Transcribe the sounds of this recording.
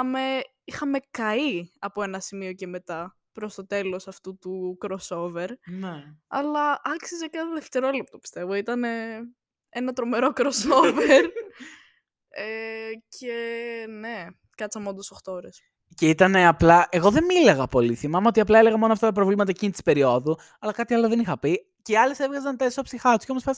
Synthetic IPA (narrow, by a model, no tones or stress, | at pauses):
ɐme̞ | ixɐme̞kɐiɐpoe̞nɐsimio̞ce̞me̞t̪ɐ | pɾo̞st̪o̞t̪e̞lo̞sɐft̪ut̪ukɾoso̞ve̞ɾneɐ̰lɐʔɐksizecɐðeft̪e̞ɾo̞lept̪opi̥st̪e̞vo̞it̪ɐne̞ | enɐt̪ɾo̞me̞ɾo̞kɾoso̞veɾ | ecʰene | kɐt͡sɐmeo̞nd̪osoxt̪ooɾes | ceit̪ɐne̞ɐplɐʔe̞ɣo̞ðe̞mileɣɐpo̞liθimɐmeo̞t̪iɐplɐeleɣɐmo̞noɐft̪ɐt̪ɐpɾovlimɐt̪ɐecinit̪ispe̞ɾio̞ðu | ɐlɐkɐt̪iɐlo̞ðenixɐpi | ceiɐle̞se̞vɣɐzɐnt̪esopsixɐt̪u̥sceomosfɐs